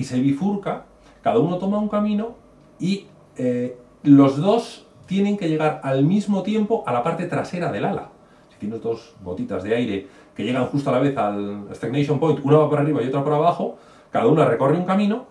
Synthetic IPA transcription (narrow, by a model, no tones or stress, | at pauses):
ise̞βifuɾka | kaðauno̞t̪o̞mauŋkamĩno̞ | i | e | lo̞zðo̞s | t̪je̞neŋke̞ʝe̞ɣaɾalmizmo̞t̪je̞mpo̞ʔalapaɾt̪e̞t̪ɾase̞ɾaðe̞lala̰ | si̥t̪je̞ne̞zðo̞sβo̞̰t̪it̪azðe̞ajɾe̞ | ke̞ʝe̞ɣaŋxust̪oalaβe̞θalest̪eɡnejʃ̬o̞mpo̞jnt̪unaβapoɾariβaiot̪ɾapoɾaβaxo̞ | kaðaunare̞ko̞reuŋkamĩno̞